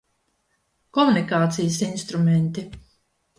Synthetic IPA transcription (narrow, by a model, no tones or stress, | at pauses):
kɔmunikaːt̪sijəsinst̪ɾumɛnt̪i